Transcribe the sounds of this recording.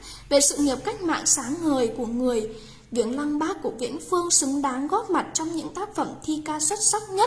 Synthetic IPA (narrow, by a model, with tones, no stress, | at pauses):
ve˨˩sɨ̰˧˨ŋi˨˩p̚ka˦˥jk̟̚ma̰ː˧˨ŋsaː˨˦ŋːəː˨˩jku˧˩əŋɨ˨˩əj | vḭ˧˩ənla˧ŋɓaː˦˥kːu˧˩əvḭ˧˥ənfɨ˧əŋsɨ˨˦ŋɗaː˨˦ŋɣɔ˦˥p̚ma˨˩t̚t͡ɕɔ˧wŋ͡mɲɨ̰˧˥ŋt̪aː˦˥k̚fə˧˩mt̪ʰi˧kaː˧swə˦˥t̚sa˦˥t̚ɲə˦˥t̚